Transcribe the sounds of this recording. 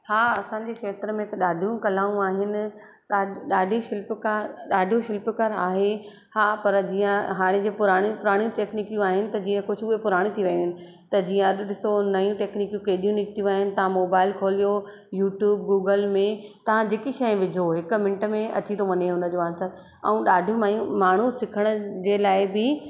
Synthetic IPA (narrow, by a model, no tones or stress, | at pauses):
haːɐsãɲd͡ʑeːkʃeːt̪ɾəmẽt̪ɐɗaːɖʱijũkɐlaːjũaːɦɪnɪ̆ | ɗaːɗaːɖʱjũʃɪlpkaɾɗaːɖʱijũʃɪlpkaɾa̰ːɦe | haːpɐɾd͡ʑiːə̃ɦaːɽ̃ẽd͡ʑeːpʊɾaːɽ̃jũpʊɾaːɽ̃jũʈeːkniːkjũaːɦɪnɪ̆t̪ɐd͡ʑiːə̃kʊd͡ʑʱʊʊɦepʊɾaːɽ̃ĩt̪ʰiʋɐj̃ũɦɪnɪ̆ | t̪ɐd͡ʑiːə̃ɐɗɗɪsonɐjũʈeːkniːkjũkeːɗijũnɪkt̪ijũaːɦɪnɪ̆t̪ɐʋ̤ãmoːbaːɪlkʰoːlijo | juːʈjuːb̚ɡuːɡəlmẽt̪ɐʋ̤ãd͡ʑeːkiʃɐjʋɪd͡ʑʱoɦɪk̆mɪ̃ɳɪʈəmẽɐ̰t͡ɕit̪ʰoʋɐɲeɦʊnə̆d͡ʑoːaːnsɐɾ | ɛ̰̃ũɗaːɖʱjũajũmaːɳ̤usɪkʰəɽ̃ʊd͡ʑeːlaːɪbɪ